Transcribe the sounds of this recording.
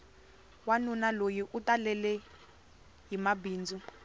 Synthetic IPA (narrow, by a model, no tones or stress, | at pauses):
wanunalojiʔutalɛlɛ | ɦimabiːnd͡zu